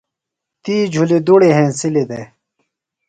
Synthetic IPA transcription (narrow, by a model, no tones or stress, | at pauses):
t̪iːd͡ʑʱuled̪uɽeɦẽːsiled̪eː